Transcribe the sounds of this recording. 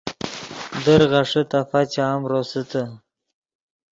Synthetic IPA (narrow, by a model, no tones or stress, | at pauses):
d̪əɾʁaʂət̪afat͡ɕaːmɾosət̪ə